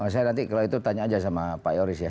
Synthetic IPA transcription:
as̬ajanant̪̬ikalawit̪ut̪aɲaːd͡ʒas̬amapajoɾɪsja

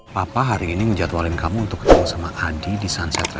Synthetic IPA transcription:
papaɦaɾiːniŋəɲd͡ʒaat̪walɪnkamuːnt̪ʊkːd̪aasamaʔadidisansat̪ɾa

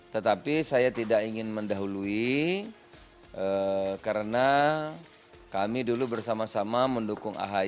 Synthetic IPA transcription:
t̪ət̪apisajat̪idakiŋɪnməndaɦului | ʔəkaɾəna | kamidulubərsamasamaməndukʊŋa̰ɦa

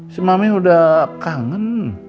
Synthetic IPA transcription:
simameudahkaŋən

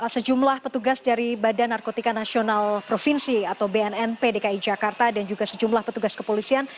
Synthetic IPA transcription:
səd͡ʒumlahpət̪uɡasdaɾibadanːarkot̪ikanasionalpɾofinsiat̪awbeɛnɛnpedekaid͡ʒakart̪adand͡ʒuɡasəd͡ʒumlahpət̪uɡaskəpolisian

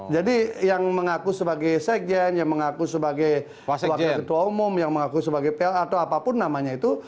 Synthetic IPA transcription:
d͡ʒadijaŋməŋakusəbaɡajsɛk̚d͡ʒɛnjaŋməŋakusəbaɡaj | wak̪akət̪uwaumʊmjaŋməŋakusəbaɡajpelat̪awapapʊnːamaɲait̪u

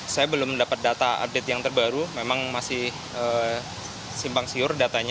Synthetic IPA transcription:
sajabəlʊmdapət̪̚dat̪aa̰p̚dɛt̪̚jaŋt̪ərbaɾumemaŋmasɪh | əː | simpaŋsiʊrdat̪aɲa

